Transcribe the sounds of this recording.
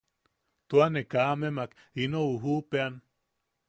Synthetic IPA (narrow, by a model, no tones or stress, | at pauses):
t̪uanekamemak | inouɦupean